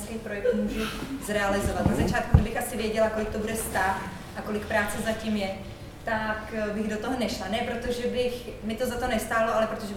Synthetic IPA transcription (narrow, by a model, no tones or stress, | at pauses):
skɛjpɾojɛk̪muʒuzɾɛalɪzovat̪nazat͡ʃaːt̪̚kuɡdɪbɪxʔasɪvjɛɟɛlakolɪk̚t̪obudɛst̪ax | ʔako̞lɪk̚pɾaːt͡sɛzacimjɛ | t̪akbɪɣdot̪oɦonɛʃlanɛːpɾot̪o̞ʒɛbɪxmɪt̪o̞zat̪o̞nɛst̪aːloʔalɛpɾot̪oʒɛ